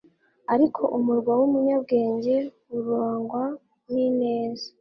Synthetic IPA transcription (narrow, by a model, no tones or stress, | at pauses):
aɾikʰo̞ʔumuɾɡwawumuɲab̚ɡe̞ːɲɟe̞ | uɾoːŋɡwa | nine̞ːzḁ